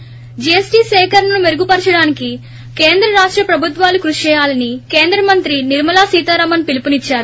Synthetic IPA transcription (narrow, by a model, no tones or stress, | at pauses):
d͡ʒiesʈiːsɛːkɐɾnɐnumeɾuɡupɐɾt͡ʃɐɽaːniki | ke̞ːnd̪ɾɐɾaːʂʈɾɐpɾɐbʱut̪ʋaːlukɾuʂt͡ʃɛːjaːlɐnike̞ːnd̪ɾɐmɐnt̪ɾiniɾmɐlaːsiːt̪aːɾɐmɐnpilipunit͡ʃːaːɾu